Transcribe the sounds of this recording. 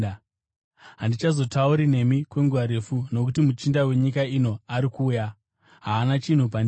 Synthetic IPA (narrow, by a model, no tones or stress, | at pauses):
ɦandit͡ʃazo̞tauɾine̞mikwe̞ŋɡuaɾe̞funo̞k̬utimut͡ʃindawe̞ɲikaino̞aɾikuːja | ɦaːnat͡ʃin̤up̬an